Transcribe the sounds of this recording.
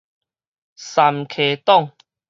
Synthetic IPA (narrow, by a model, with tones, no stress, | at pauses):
sa˨mkʰe˨˩t̪ɔ˥˨ŋ